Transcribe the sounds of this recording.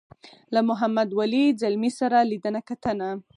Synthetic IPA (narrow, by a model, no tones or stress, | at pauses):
lamʊɦamad̪walizalmisaɾalid̪ənakat̪əna